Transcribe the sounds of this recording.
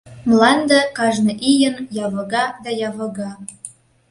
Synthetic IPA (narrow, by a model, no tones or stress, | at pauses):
mlɑnd̪ə̆kɑʒnɤ̆ʔijənjɑβɤ̆ɣɑd̪ɑjɑβə̆ɣɑ